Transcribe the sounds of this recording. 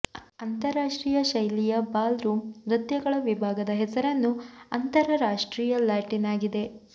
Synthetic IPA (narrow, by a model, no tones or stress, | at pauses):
ɐnt̪ɐɾaːʂʈɾiːjɐʃɐjlijɐbaːlɾuːmɾɐd̪jɐɡɐɭɐʋibʱaːɡɐd̪ɐɦɛsɐɾɐnːuɐnt̪ɐɾɐɾaːʂʈɾiːjɐlaːʈinaːɡid̪e̞